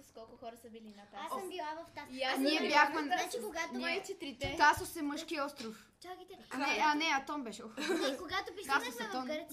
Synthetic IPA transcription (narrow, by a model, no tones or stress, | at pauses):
skɔlˠkʊxɔɾɐsɐbilinɐt̪aasmbilˠavɐft̪asaniɛbbjaxmɛnikoɡat̪nt͡ʃit̪ɾit̪ɛt̪asosɛməʃkiɔst̪ɾof | t͡ʃɔɡit̪nɛanɛɐt̪ɔnbɛʃɛxkoɡat̪ʊpit̪asosɛɛt̪ɔnɾ